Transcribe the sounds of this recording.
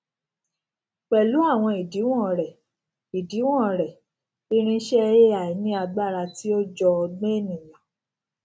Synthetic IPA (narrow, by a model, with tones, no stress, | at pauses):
k͡pɛ˨lu˨˦a˦˨w̃ɔ̃˧i˨di˨˦w̃ɔ̃˦˨ɾɛ˨ | i˨di˨˦w̃ɔ̃˦˨ɾɛ˨ | i˦ɾ̃ĩ˦ʃɛ˦˧je˦a˨i˨˦nĩ˦a˧ɡ͡ba˦˨ɾa˧ti˦o˦d͡ʒɔ˧ɡ͡bẽ˦˨nĩ˨jã˨